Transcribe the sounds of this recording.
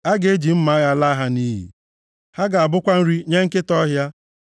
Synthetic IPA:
a˦ɡe˨˦e˦d͡ʒi˨m̩˦ma˨˦ɣa˦la˦ɦa˦ni˦ɦḭ˨ | ha˦ɡa˨a˨bʊ˦kʷa˦n̩˦ɾi˦ɲe˦ŋ̩˦kɪ˦tɔ˦ɦja˦

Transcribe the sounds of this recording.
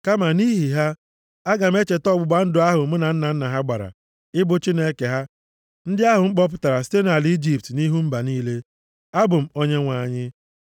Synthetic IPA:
ka˦ma˨ni˦ɦi˨ɦa˦ | a˦ɡa˨m̩˦e˦t͡ʃe˨tɔ˦ɡ͡bʊ˨ɡ͡ba˦n̩˦dʊ˨a˦ɦʊ˨˦m̩˦na˨n̩˦na˨n̩˦na˨ɦa˦ɡ͡ba˨ɾa̰˨ | ɪ˦bʊ˦t͡ʃi˦ne˦ke˨ɦa˦ | n̩˦dɪ˦a˦ɦʊ˨ŋ͡m̩˦k͡pɔ˦p̬ʊ˦ta˨ɾa˨s̬i̥˦te˦na˨li˦d͡ʒi˨p̚tni˦ɦu˦m̩˦ba˨niː˦le˦ | a˦bʊ˨m̩˨˦o˦ɲe˦ŋʷa˨ɲɪ˦

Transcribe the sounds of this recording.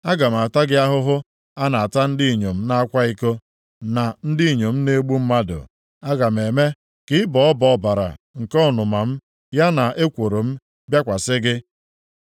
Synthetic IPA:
a˦ɡa˨m̩˨a˨ta˦ɡɪ˦a˦ɦʊ˦ɦʊ˦ | a˦na˨a˨ta˦n̩˦dɪ˦i˨ɲo˨m̩˦na˦a˦kʷa˦i˦ko˦ | na˨n̩˦dɪ˦i˨ɲo˨m̩˦ne˦ɡ͡bu˦m̩˦ma˦dʊ̰˨ | a˦ɡa˨m̩˨e˨me˦ | kɪ˨˦ɪ˦bɔ˨ɔ˦bɔ˨ɔ˦˨ba˨ɾa̰˨ | ŋ̩˨kɔ˦˨nʊ˨ma˨m̩˦ | ja˦na˨e˦kʷo˨ɾo˨m̩˦ | bja˦kʷa˨sɪ˦ɡɪ˦

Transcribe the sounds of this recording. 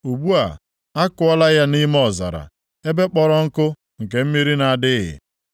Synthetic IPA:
u˨bu˦a̰˨ | a˦kʊ˦ɔ˦la˦ja˦ni˦m˦ɔ˦˨za̰˨ɾa̰˨ | e˦be˦k͡pɔ˨ɾɔ˦ŋ̩˦kʊ˦ | ŋ̩˨ke˨m̩˦mi˦ɾi˦na˨a˨dɪ˦ɦɪ̰˨

